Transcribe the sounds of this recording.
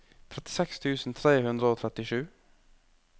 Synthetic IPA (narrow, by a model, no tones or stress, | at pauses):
t̪ʰɾɛt̪ɪsɛkst̪ʰʉːsn̩t̪ʰɾeːhʉnd̪ɾəoːt̪ʰɾɛt̪ɪʃʉː